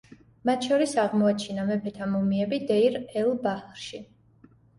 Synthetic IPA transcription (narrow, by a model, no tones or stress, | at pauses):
mat̪ʰʃɔɾisaʁmɔat͡ʃʰinamɛpʰɛt̪ʰamumiɛbid̪ɛiɾɛlˠbaχlɾʃi